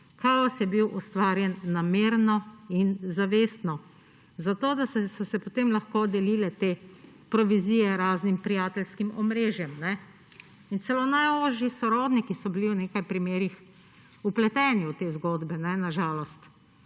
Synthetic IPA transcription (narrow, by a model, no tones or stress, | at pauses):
kaɔsjɛbiwʔɔst̪ʋaːɾjɛnːameːɾnɔinzaʋeːst̪nɔ | zat̪oːd̪assɔsɛpot̪emlaxkod̪ɛliːlɛt̪eː | pɾɔʋizijɛɾaːznimpɾijaːt̪ɛlskimɔmɾeːʒjɛmnɛ | int̪sɛlonajɔʒisɔɾɔːd̪nikisɔbiliwneːkajpɾimeːɾix | uplɛt̪ɛːniwt̪eːzɡoːd̪bɛnɛnaʒaːlɔst̪